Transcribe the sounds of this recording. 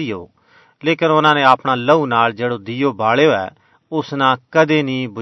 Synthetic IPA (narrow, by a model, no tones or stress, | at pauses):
ɪjo̰ː | leːkənʊnãːnẽːaːpɽ̃ãːləuːnaːld͡ʒeːɽoːd̪ɪjoːbaːɭejoːɛ̰ː | ʊsnãːkəd̪eːnĩːbʊ